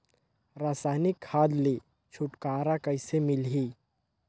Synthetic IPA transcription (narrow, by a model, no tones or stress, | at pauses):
ɾaːsaːnɪkʰːaːd̪leː | t͡ʃʰʊʈkaːɾakɐɪsemɪlɦiː